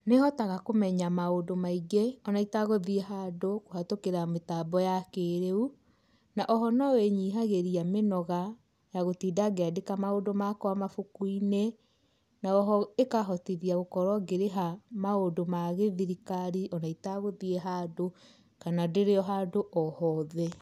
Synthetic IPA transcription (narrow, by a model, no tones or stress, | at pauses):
nehɔtaɣakomɛɲamaodomaiɡeɔnaitaɣoðieɦadokohatokeɾametabɔjakeɾeu | naʔɔɦɔnɔweɲiːɦaɣeɾiamenɔɣa | jaɣotiːdaɡeadekamaodomakɔamafokuine | naɔɦɔekaɦɔtiðiaɣokɔɾwɔɡeɾeɦamaodomaɣeðiɾikaɾiʔɔnaitaɣoðieɦado | kanadeɾeɔɦaːdoʔɔhɔðɛ